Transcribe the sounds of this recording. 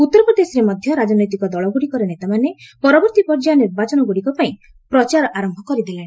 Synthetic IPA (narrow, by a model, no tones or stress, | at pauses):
ut̪ːɔɾɔpɾɔd̪esɔɾemɔd̪ʱjɔɾad͡ʒɔnɔjt̪̬ikɔd̪ɔɭɔɡuɽikɔɾenet̪amanepɔɾɔbɔɾt̪ipɔɾd͡ʒaniɾbat͡ʃɔnɔɡuɽikɔpaĩ | pɾɔt͡ʃaɾɔʔaɾɔmbʱɔkɔɾid̪elaɽ̃i